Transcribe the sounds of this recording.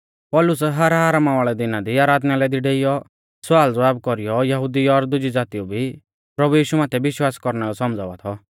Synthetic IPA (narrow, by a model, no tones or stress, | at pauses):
pɔlʊsɛɦaɾɦaːɾamaʋaːɭɛd̪ɪnad̪iaːɾaːd̪nalɛd̪iɖeːɪjɔ | swaːld͡zʋaːb̚kɔɾijɔjɐɦʊd̪iɔɾd̪ʊd͡ʒid͡zaːt̪iubʱi | pɾɐbujiːʃumaːt̪ʰɛbɪʃwaːskɔɾnɛlɔsɔmd͡za̰ːʋat̪ʰɔ